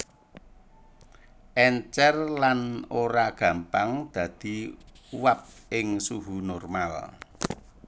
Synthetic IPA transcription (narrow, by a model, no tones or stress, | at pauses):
ʔɛɲt͡ʃɛrlanoɾaɡ̥ä̤mpaŋd̪̥ä̤d̪̥i̤uwap̚ɪŋsuɦunɔrmal